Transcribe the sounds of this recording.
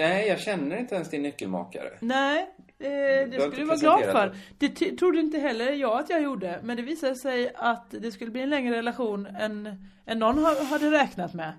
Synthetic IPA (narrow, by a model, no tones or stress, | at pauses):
nɛjɑːɡɕɛnːəɾɪnt̪əɛnsd̪ɪnːʏkːəlmɑ̰ːka̰ɾə̰nɛ | ɛd̪ɛkɵlːjəvɑːɡlɑːd̪fœɾd̪̥ɛt̪ʰt̪ʰɾʊd̪ːəɪnt̪̬əɦɛlːəɾjɑːɡat̪jɑːɡjuːɖəmɛnd̪ɛviːsad̪əsɛjat̪d̪ɛskɵlːəbliːɛnlɛŋɾəɾɛlaɧuːnɛn | ɛnːɔnːhaɦad̪ːəɾɛːknat̪mɛ